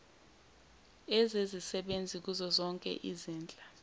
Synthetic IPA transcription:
ezezisɛɓend͡zʱik̬uzɔzɔŋkʼɛ̰ʔiziːnd͡ɮʼa

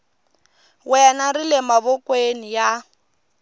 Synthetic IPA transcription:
wɛnarilɛmaβɔkwenija

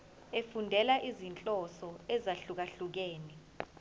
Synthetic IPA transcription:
efundʱɛlaʔizint͡ɬʼɔsɔɛzaɬuk̬aɬuk̬eːni

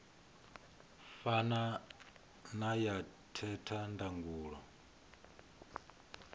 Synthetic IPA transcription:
fana | najatʰɛtʰandaŋɡuːɺɔ

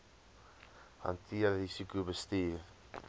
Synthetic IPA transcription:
hɐ̰ntʰiəɾɾisikubəstiːr

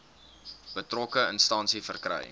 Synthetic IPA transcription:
b̥ətrɔkəənstɑnsifərkrɛ̰j

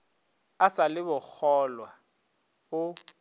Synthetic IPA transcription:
asalɪbʊk͡xʰɔlwa | bʊ

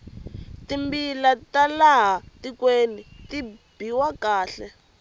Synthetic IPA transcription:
timbilatalaɦatikwenitib̥iwakaːɬɛ

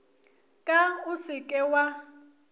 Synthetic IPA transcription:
kʼaʊsɪkʼɛwa

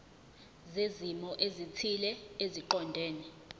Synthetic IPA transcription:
zezimɔʔezitʰilɛeziǃɔndʱɛːnɛ

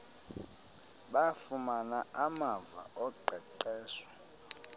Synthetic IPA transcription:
ɓafumanaamava̰ʔɔǃʱɛǃɛːswḁ

